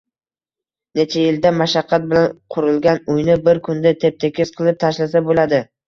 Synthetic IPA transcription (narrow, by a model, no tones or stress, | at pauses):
net͡ʃʰajɪld̪amaʃaqʰːɑt̪̚bɪlanqʰʊɾɪlˠɡʲanʊjnɪbɪɾkʰʊnd̪at̪ʰep̚t̪ʰekʲɪsqʰɨlˠɪp̚t̪ʰaʃlas̬abolad̪ɪ